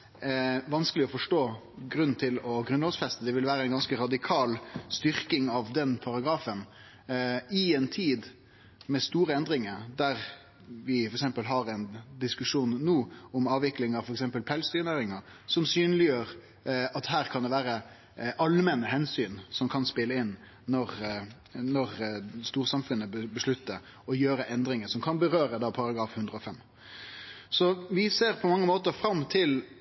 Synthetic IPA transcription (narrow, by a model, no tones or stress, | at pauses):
ʋɑnskəlɪɔfɔʂʈoː | ɡɾʉnn̩t̪ʰɪlɔɡɾʉnɔːsfɛst̪əd̪ɛʋɪlʋæːɾəɛɪnɡɑnskəɾɑd̪ɪkʰɑːlst̪ʏɾkɪŋɑʋd̪ɛnpʰɑɾɑɡɾɑːfən | ɪɛnt̪ʰiːd̪ | mɛst̪uːɾəɛnd̪ɾɪŋəɾd̪æɾ | ʋɪfɔɾɛksɛmpəlɦɑɾɛɪnd̪ɪskʉʂuːnːuːɔmɑːʋɪklɪŋɑʋfɔɾɛksɛmpəlpʰɛlsd̪yːnæːɾɪŋə | sɔmsyːnəlɪjøːɾ | ɑt̪ɦæːʁkʰɑnd̪ɛʋæːɾə | ʔɑlmɛnəɦɛnsyːnsɔmkʰɑnspɪlːəɪnː | ɔʁ | nɔʁst̪uːɾsɑmfʉnːəəbəʂɭʉt̪ːəɾ | ɔjøːɾəʔɛnd̪ɾɪŋəsɔmkʰɑnbəʁøːɾəd̪ɑpʰɑɾɑɡɾɑːfhʉnd̪ʁəɔfɛm | sɔʋɪseːʁpʰɔmɑŋːəmoːt̪əɾfɾɑmːt̪ʰɪl